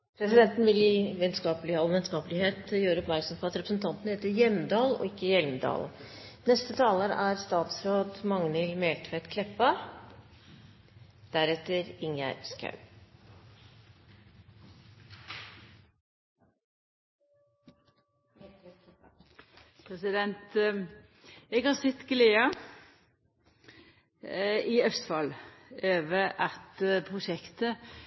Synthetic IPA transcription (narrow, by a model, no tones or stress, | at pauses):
pʰɾɛsɪd̪ɛnt̪nʋɪlɪʋɛnskɑːplɪɑlʋɛnskɑːpəlɪheːt̪jøːɾəɔpmæɾksɔmpʰɔɑt̪ɾɛpɾsnt̪ʰɑnt̪n̩heːt̪əɾjɛmd̪ɑːlɔ̰ɪkːəjɛlməd̪ɑ̰ːlnɛst̪ət̪ʰɑːləɾæɾst̪ɑːt̪sɾoːd̪mɑŋnɪlmeːlt̪ʰʋɛt̪kʰlɛpːɑ | d̪̥æɾɛt̪ːəɾɪŋjæ̰ɾskɑ̰ʉ | pʰɾɛsɪd̪ɛnt̪ | eːɡhɑːsɛt̪ɡleːɑ | iœst̪fɑløːʋəɾɑt̪pʰʁʊʃɛkt̪ə